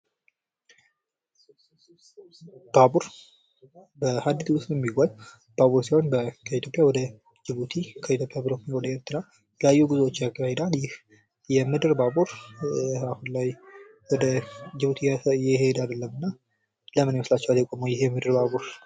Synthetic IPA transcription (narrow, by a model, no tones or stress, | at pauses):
b̥abuɾ | bəhad̪ːit̪ʰwʊst̪njɛmːiɡʷal | b̥aβuɾsihonbəkʰəit̪ʰjo̞pʼjawɔd̪ə | d͡ʒɪβut̪ʰikʰəit̪jopʼjabɾomjawɔd̪əeɾt̪ʰɨna | ləjajːuɡuzwot͡ʃːjaɡəbahed̪aljɪh | jɛmɨd̪ɨɾbabuɾ | ahunlaj | wɔd̪əd͡ʒɪβut̪ʰijɪhed̪ad̪əlːəmːɨnːa | ləmɨneməslat͡ʃːɛwaljɛkʼoməwjɪɦemɨd̪ɨɾbaβuɾ